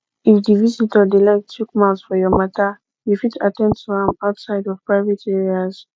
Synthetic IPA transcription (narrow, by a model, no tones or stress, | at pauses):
ifdivizitʰədelaɪk̚tʰukmalsfɔjɔmata | jufitatɛ̃ndtʰuãmaʊtsaɪdɔv̥pɹaɪvɛtɛɹiaz̥